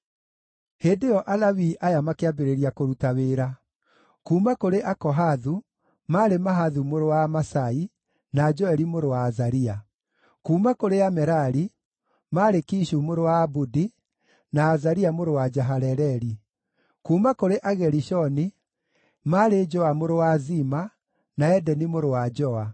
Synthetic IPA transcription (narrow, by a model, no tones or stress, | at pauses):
heːndejɔʔalawiʔajamakeabeɾeɾiakoɾutaweːɾa | kuːmakoɾeʔakɔɦaðu | maːɾemaɦaðumoɾowamasai | nad͡ʒɔɛɾimoɾowaːzaɾia | kuːmakoɾeamɛɾaɾi | maːɾekiʃumoɾowaːbudi | naːzaɾiamoɾowad͡ʒaɦaɾɛɾɛɾi | kuːmakoɾeʔaɣɛɾiʃɔni | maːɾed͡ʒɔamoɾowazima | naɛdɛnimoɾowad͡ʒɔa